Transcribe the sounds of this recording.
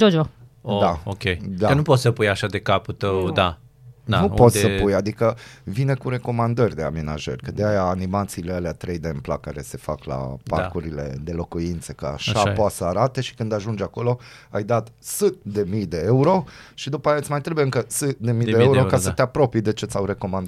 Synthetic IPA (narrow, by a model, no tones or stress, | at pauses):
d͡ʒod͡ʒuood̪aokʲejd̪akənupot̪səpujaʃad̪e̞kaput̪əwd̪a | nnupot̪səpujad̪ikəvinekuɾe̞ko̞mand̪ərʲd̪e̞a̰me̞na̰ʒə̰rʲkəd̪eajaːnimat̪siːlealeat̪ɾe̞jd̪empla̰kaɾe̞se̞fakla̰parkuɾile̞̰d̪e̞lo̞kuint̪sekəa̰ʃapoasəaɾat̪e̞ʃi̥kɨnd̪aʒund͡ʒako̞lo̞ajd̪at̪sɨt̪̚d̪e̞mijd̪e̞euɾo̞ʃid̪upajaɨt̪ʲmajt̪ɾebujeɨŋkəsɨt̪̚d̪e̞mid̪eeuɾɾokasət̪eapɾo̞pijd̪e̞t͡ʃe̞t̪sʲawɾe̞ko̞mand̪